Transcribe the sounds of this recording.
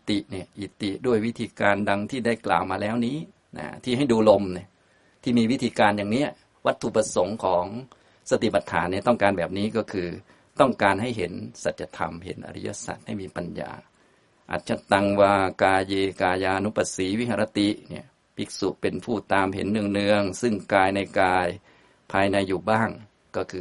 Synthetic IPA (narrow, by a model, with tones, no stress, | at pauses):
i˧t̪i˨˩ʔni˧˩əʔi˨˩t̪i˨˩du˥˩əjwi˦˥t̪ʰiː˧kaː˧nda˧ŋt̪ʰiː˥˩da˥˩jkla̰ː˨˩wmaː˧lɛː˦˥wniː˦˥ | na̰˧˩t̪ʰiː˥˩ɦa˥˩jduː˧lo˧mni˧˩ | t̪ʰiː˥˩miː˧wi˦˥t̪ʰiː˧kaː˧njaː˨˩ŋni˦˥ɐ | wa˦˥t̪ʰːu˨˩pɾa˧so˩˦ŋkʰɔː˩˦ŋ | sa˧t̪i˨˩pa˨˧˦t̪ʰːa̰ː˩˦nːi˧˩˨t̪ɔ˥˩ŋkaː˧nbɛː˨˩p̚niː˦˥kɔː˥˩kʰɯː˧ | t̪ɔ˥˩ŋkaː˧nha˥˩jɦe˩˦nsa˨˩t̪̚ja˧t̪ʰa̰˧mɦḛ˩˦nʔa̰˧ɾḭ˦˥ja̰˧˥sa̰˨˩t̪̚ha˥˩jmiː˧pa˧nja̰ː˧ | ʔa̰ː˨˩t̪̚t͡ɕʰa˧˥˩t̪a˧ŋwaː˧˩kaː˧jeː˧kaː˧jaː˧ʔa˧nu˦˥pa˧˩siː˩˦wi˦˥hʰa˧ɾʔa˧t̪i˨˩nḭ˧˩ɐ | pʰi˨˦˩k̚su˨˩ʔpe˧npʰuː˥˩t̪aː˧mɦḛ˩˦nːɯ˧əŋnɯ˧əŋsɯ˥˩ŋkaː˧jna˧jkaː˧j | pʰaː˧jna˧jːuː˨˩baː˥˩ŋ | kɔː˥˩kʰɯː˧